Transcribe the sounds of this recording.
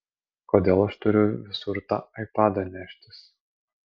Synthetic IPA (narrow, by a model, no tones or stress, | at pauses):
koːd̪ʲeːlˠɐʃt̪ʊɾʲʊʋʲɪsʊɾt̪ɑ̰ːɐɪpɑːd̪ɐnʲæʃʲt̪ʲɪs